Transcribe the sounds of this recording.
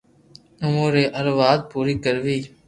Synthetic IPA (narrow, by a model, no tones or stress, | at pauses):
ʊmuːɾeːʔəɾʋaːd̪̚puːɾiːkəɾʋiː